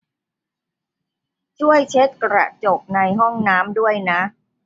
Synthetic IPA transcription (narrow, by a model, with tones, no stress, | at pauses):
t͡ɕʰu˥˩əjt͡ɕʰe˦˥t̪̚kɾa̰˨˩t͡ɕo˨˩p̚na˧jɦɔ˥˩ŋnaː˦˥mdu˥˩əjna˦˥ʔ